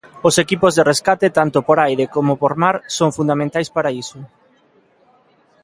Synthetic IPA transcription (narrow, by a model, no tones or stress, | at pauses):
osekipozðereskat̪et̪ant̪opoɾajɾekomopoɾmaɾsoŋfund̪amẽnt̪ajspaɾaisʊ